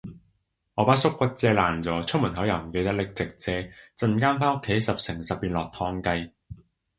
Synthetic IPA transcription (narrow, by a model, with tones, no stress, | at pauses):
ŋɔː˨˧paː˥t̚sʊ˥kːʷɐ˥t̚t͡sɛː˧laː˨˩nt͡sɔː˨˧t͡sʰʊ˥mu˨˩nɦɐ˨˥wjɐ˨˩m̩˨˩ke˧jt̪ɐ˥k̚lɪ˨k̚t͡sɪ˨k̚t͡sɛː˧t͡sɐ˧nkaː˥nfaː˥nʊ˥kʰːe˨˥jsɐ˨p̚sɪ˨˩ŋsɐ˨p̚piː˧nlɔː˨k̚t̪ʰɔː˧ŋkɐ˧j